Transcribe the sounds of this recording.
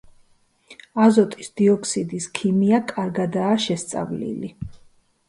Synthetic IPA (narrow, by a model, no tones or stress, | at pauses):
azɔt̪ʼisd̪̥iɔkʰsid̪iskʰimiakʼaɾɡad̪aːʃɛst̪sʼa̰vlḭli